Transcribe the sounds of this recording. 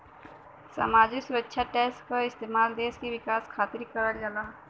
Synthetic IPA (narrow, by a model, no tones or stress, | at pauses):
sa̰ːmaːd͡ʒɪksʊɾətːʃʰaʈɛːsʈkaɪst̪eːmaːld̪eːskiʋɪkaːskʰaːt̪ɪɾikəɾəd͡ʒalaː